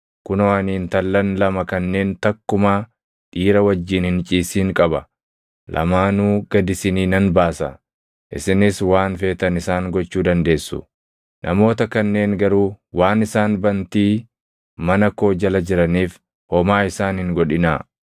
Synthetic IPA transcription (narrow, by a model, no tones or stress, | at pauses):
kʊnɔɐniːnt̪ɐlːɐnlɐmɐkɐnːe̞ːnt̪ɐkːʊmaː | ᶑ̪iːɾɐwɐd͡ʒːiːnhɪnt͡ʃʼiːsiːŋkʼɐbɐ | lʔɐ̰maːnuːɡ̥ɐd̪ɪsɪniːnɐnbaːsɐ̰ | ʔɪ̰sɪnɪswaːnfe̞ːt̪ɐnɪsaːŋɡɔt͡ʃːuːd̪ɐnd̪e̞ːsːʊ̰ | nʔɐ̰mo̞ːt̪ɐkɐnːe̞ːŋɡɐɾuːwaːnɪsaːnbɐnt̪iː | mɐnɐko̞ːd͡ʒɐlɐd͡ʒɪɾɐniːf | hɔmaːɪsaːnhɪŋɡɔᶑɪna̰ː